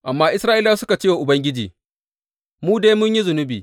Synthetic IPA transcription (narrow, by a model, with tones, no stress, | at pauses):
ʔa˨mːaː˦ʔɪ˦sɾaː˦ʔɪ˦laː˦sʊ˦ka˨t͡ʃeː˦wa˨ʔʊ˨bɐ˦ŋɡʲɪ˦d͡ʒiː˨ | muː˦deː˦jmʊ˦ɲji˦zʊ˨nʊ˦biː˨